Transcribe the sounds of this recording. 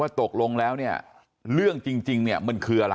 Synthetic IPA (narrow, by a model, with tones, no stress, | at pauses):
aː˥˩t̪o˨˩k̚lo˧ŋlɛː˦˥wni˥˩ɐ | ɾɯ˥˩əŋt͡ɕi˧ŋt͡ɕi˧ŋni˥˩əma˧nkʰɯː˧ʔa˧ɾa̰